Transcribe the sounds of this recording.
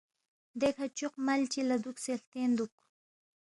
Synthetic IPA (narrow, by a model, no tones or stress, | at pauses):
d̪ekat͡ʃoqmalt͡ʃɪlad̪ʊkselt̪end̪ʊk